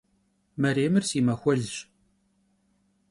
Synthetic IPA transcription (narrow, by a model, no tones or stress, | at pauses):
mæɾiməɾsimæxʷælːəʃ